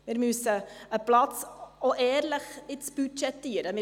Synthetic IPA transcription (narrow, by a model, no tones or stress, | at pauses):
mɪɾmyəsəəplɑt͡soʔɛːɾləχɪt͡sb̥yt͡ʃɛtːiːɾəmɪ